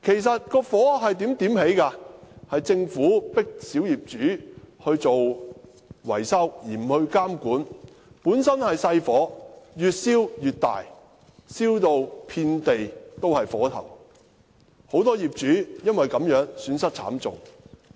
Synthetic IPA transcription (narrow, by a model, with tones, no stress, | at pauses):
kʰe˨˩jsɐ˨t̚kɔː˧fɔː˨˥ɦɐ˨jt̪i˨˥mt̪iː˨˥mhe˨˥jkaː˧hɐ˨jt͡sɪ˧ŋfuː˨˥pɪ˥k̚si˨˥wjiː˨p̚t͡ʃyː˨˥hɵ˧ɥt͡so˨w | wɐ̰˨˩jsɐ˥wjiː˨˩m̩˨˩hɵ˧ɥkaː˥mkuː˨˥n | puː˨˥nsɐ˥nhɐ˨jsɐ˧jfɔː˨˥jyː˨t̚siː˥wjyː˨t̚t̪a̰ː˨j | siː˥wt̪o˨wpʰiː˧nt̪e˨jt̪o˥whɐ˨jfɔː˨˥t̪ʰɐ̰˨˩w | ho˨˥wt̪ɔː˥jiː˨p̚t͡ʃyː˨˥jɐ˥nwɐ˨jkɐ˨˥mjœː˨˥ŋsyː˨˧˥nsɐ˥t̚t͡sʰa̰ː˨˥mt͡sʊ˨ŋ